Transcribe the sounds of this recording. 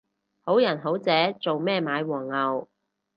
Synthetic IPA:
ho˨˥wjɐ˨˩nɦo˨˥wt͡sɛː˨˥t͡so˨wmɛː˥˩maː˨˧jwɔː˨˩ŋːɐ˨w

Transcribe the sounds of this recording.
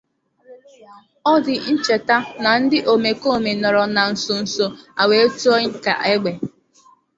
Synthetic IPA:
ɔ˦dɪ˨n̩˦t͡ʃe˨ta˦na˨n̩˦dɪ˦ʔo˨me˨ko˦˨me˨nɔ˨ɾɔ˨na˨n̩˨sʊ˨n̩˨so˦a˨we˨˦e˦tu˦ɔ˦ŋ̩˦ka̰˨ʔe˦ɡ͡be˨

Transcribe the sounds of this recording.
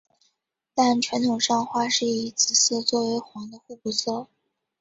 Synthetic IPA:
t̪a˥˩nt͡ɕʰɥɛ˧˥nt̪ʰʊ˨˩ŋʂɑ˥˧ŋxwa˥˧ʂɻ̩˥˩i˧˥t͡sɹ̩˨˩s̩˥˩˧t͡swɔ˥˩we˧˥ɪxwɑ˧˥ŋd̪ə˧xu˥˩pu˧˩sɑ˥˩ʊ

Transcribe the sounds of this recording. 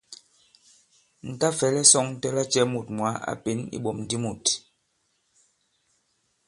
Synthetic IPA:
n̩˨ta˦fɛ˨˦lɛ˦sɔ˦ŋn̩˦tɛ˦la˦t͡ʃɛ˦mu˨t̚mwa˨˦a̰˨pe˨˦nḭ˦ɓɔ˨mn̩˨di˦mu˨t

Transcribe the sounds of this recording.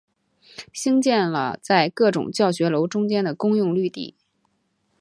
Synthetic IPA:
ɕi˥ŋt͡ɕjɛ˥˩nlə̰˩t͡sa˥˧ɪkɤ˥˩ʈ͡ʂʊ̰˨˩ŋt͡ɕjɑ˥˩ʊɕɥɛ˧˥lo˧˥ʊʈ͡ʂʊ˥ŋt͡ɕjɛ˥nd̪ə˨kʊ˥ŋjʊ˥˧ŋly˥˧t̪ḭ˥˩

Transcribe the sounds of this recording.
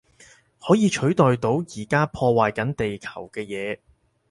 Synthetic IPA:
hɔː˨˥jiː˨˧t͡ʃʰɵ˨˥ɥt̪ɔː˨jt̪o˨˥wjiː˨˩kaː˥pʰɔː˧waː˨jkɐ˨˥nt̪e˨jkʰɐ̥˨˩wkɛː˧jɛː˨˧

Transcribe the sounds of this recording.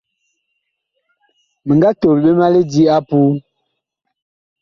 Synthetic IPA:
mə˨ŋɡa˦to˨lɓe˦ma˦le˦di˦a˦pu˦

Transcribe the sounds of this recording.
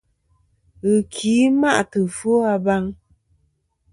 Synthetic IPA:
ɣɨ˨kʰiː˨˦ma˦ʔtɨ˨fo˦a˧ba˦ŋ

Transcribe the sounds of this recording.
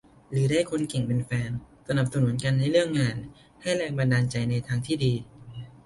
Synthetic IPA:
ɾɯː˩˦daː˥˩jkʰo˧nke˨˩ŋpe˧nfɛː˧nsa˧na˨˩p̚sa˧nu˩˦ənka˧nːa˧jɾɯ˥˩əŋːaː˧n | ha˥˩jɾɛː˧ŋba˧ndaː˧nt͡ɕa˧jna˧jt̪ʰaː˧ŋt̪ʰiː˥˩diː˧

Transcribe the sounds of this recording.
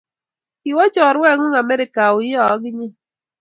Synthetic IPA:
i˨wɔ˦t͡ʃɔː˨ɾwɛ˦ŋu˦ŋa˨me˦ɾi˨ka˨u˨jɔ˦˨˦ɡi˦ɲi˦

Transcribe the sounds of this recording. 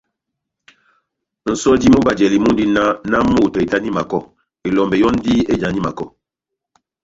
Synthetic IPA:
n̩˨sɔ˦di˦mu˦ba˨d͡ʒɛ˨li˨mu˦n˦di˦na˦na˦mu˦˨tɔ˨i˨ta˦ni˦ma˨kɔ˦˨ | e˨lɔ˨mbɛ˨jɔ˦n˦di˦e˦d͡ʒa˨ɲi˦ma̰˨kɔ˦˨

